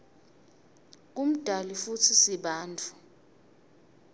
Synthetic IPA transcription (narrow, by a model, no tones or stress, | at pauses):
k̬ʼum̩d̥ʱalifutʰisiɓaːntʰʼu̥